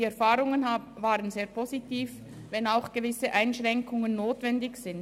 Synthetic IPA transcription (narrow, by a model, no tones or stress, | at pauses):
iɛɐfaːʁʊŋənhaːbvaːʁənzeːɐpʰozitiːf | vɛnaʊxɡ̥əvɪsəʔaɪnʃʁ̥ɛŋkʊŋənːoːtv̥ɛndɪçz̥ɪn